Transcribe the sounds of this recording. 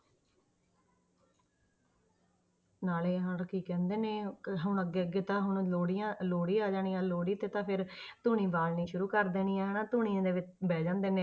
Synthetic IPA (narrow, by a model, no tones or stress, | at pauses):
naːleːɦəɾkiːkɛ̃ːnd̪eːnẽːɦʊɳəɡeːəɡeːt̪ãːɦʊɳ̃oːɽijãːloːɽiːaːd͡ʒaːɽ̃iːãːloːɽiːt̪eːt̪ãːpʰɪɾt̪uːɳiːbaːlnĩːʃʊɾuːkəɾd̪eːniːɛːɦɛːnãːt̪uːɳ̃ĩãːd̪eːʋɪt͡ʃbɛːd͡ʒãːnd̪eːneː